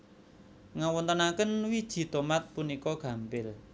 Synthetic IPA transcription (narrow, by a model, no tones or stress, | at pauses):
ŋawɔnt̪ənakənwid̥ʒ̥i̤t̪omat̪̚punikɔɡ̥ä̤mpɪl